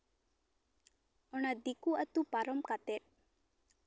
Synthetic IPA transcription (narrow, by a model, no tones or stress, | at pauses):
ɔñad̪ikuɐt̪upaɾɔmkat̪eɾ